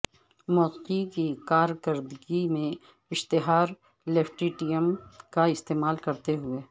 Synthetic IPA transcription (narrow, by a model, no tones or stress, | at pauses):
mɔːqikikaːɾkɐɾd̪ɡimẽ | ɪʃt̪ɪɦaːɾ | leːpʰʈiːʈiəmkaɪst̪eːmaːlkɐɾt̪eɦʊeː